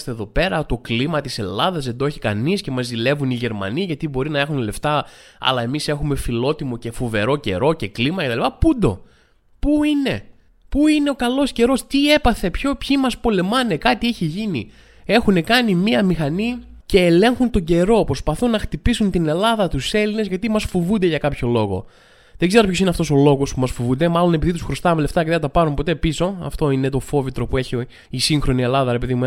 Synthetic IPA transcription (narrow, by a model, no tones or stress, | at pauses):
st̪eðo̞pe̞ɾɐt̪o̞klimɐt̪ise̞̰lɐðɐzðed̪oeçikɐ̰nisce̞mɐzðile̞vuniʝe̞ɾmɐ̰niɐʝɐt̪ibo̞ɾinɐe̞xunle̞ft̪ɐɐ̰lɐe̞mise̞xume̞filo̞t̪imo̞ce̞fuve̞ɾo̞ce̞̰ɾo̞ce̞klimɐce̞t̪ɐlipɐpund̪o̞̰ | puine̞ | puine̞o̞kɐlo̞sce̞ɾo̞st̪ie̞pɐθe̞pço̞pçimɐspo̞le̞mɐne̞kɐt̪iiçiʝinḭ | e̞xune̞kɐnimiɐmixɐnice̞ːle̞ŋxunt̪o̞ɲɟe̞ɾo̞pɾospɐθunːɐxt̪ipisunt̪ine̞lɐðɐt̪use̞line̞zʝɐt̪imɐsfovund̪eʝɐkɐpço̞lo̞ɣo̞̰ | ðeɡze̞ɾopço̞sineɐft̪o̞so̞lo̞ɣo̞spumɐsfovund̪e̞mɐlo̞nepiðit̪usxɾost̪ɐmele̞ft̪ɐceðeɐt̪ɐpɐɾumpo̞t̪e̞piso̞ɐ̰ft̪o̞ine̞t̪o̞fo̞vit̪ɾo̞pueçi | isiŋxɾo̞nie̞lɐðɐɾe̞pe̞ðimu